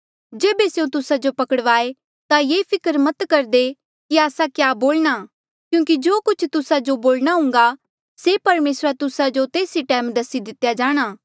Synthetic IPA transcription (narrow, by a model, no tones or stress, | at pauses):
d͡ʒeːbesejõt̪ʊsad͡ʒopɐkəɽʋaːe | t̪ajeːpʰɪkəɾmɐt̪kɐɾd̪e | kiaːsakjaːboːlña | kjũːkid͡ʒoːkʊt͡ʃʰt̪ʊsad͡ʒoboːlɽ̃aɦʊ̃ŋ̆ɡa | sepɐɾmeːsɾat̪ʊsad͡ʒot̪eːsiʈɛːmd̪ɐsid̪ɪt̪ːjad͡ʒaːɽ̃aː